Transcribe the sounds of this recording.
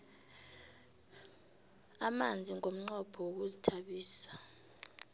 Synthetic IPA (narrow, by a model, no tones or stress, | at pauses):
amand͡zʱiŋʱom̩ŋ͡ǃɔpʰɔwok̬uzitʰaɓiːsḁ